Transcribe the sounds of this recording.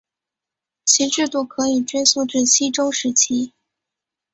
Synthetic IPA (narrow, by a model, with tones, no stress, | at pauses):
t͡ɕʰi˧˥ʈ͡ʂɻ̩˥˧t̪u˥˩kʰɤ˧˥i˨˩ʈ͡ʂɥe˥su˥˧ʈ͡ʂɻ̩˥˩ɕi˥ʈ͡ʂo˥ʊʂɻ̩˧˥t͡ɕʰi˥